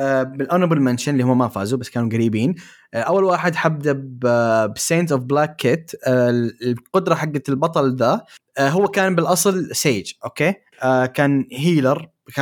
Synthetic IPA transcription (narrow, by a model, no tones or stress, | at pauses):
bɪlʔanbʊlmanʃɪnlːiːhʊmːamafa̰ːzubasːkaːnuɡaɾiːbiːn | ʔawːalwaːħɪd̪ħab̚d̪abbseːnt̪̬ʊfblaːkːɪt̪ | qʊd̪ɾˤɑħaɡːalbɑt̪ˤɑld̪aɦʊwːakaːnbɪlʔɑsˤlseːd͡ʒʔokeː | kaːnɦiːlɑɾˤ | ka